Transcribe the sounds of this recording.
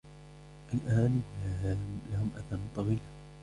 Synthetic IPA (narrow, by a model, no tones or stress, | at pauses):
ʔalʔaːn | lahʊmʔaθant̪ˤɑɣiːla